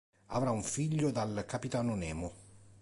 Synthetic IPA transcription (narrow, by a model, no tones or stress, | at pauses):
a̰vɾauɱfiʎːod̪alkapit̪aːnonɛːmo